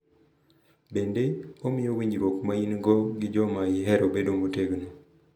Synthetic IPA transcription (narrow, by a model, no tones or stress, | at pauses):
bendeomɪjowiɲd͡ʒɾwokmainɡɔɡɪd͡ʒɔmaɪɦɛɾobedomoteɡno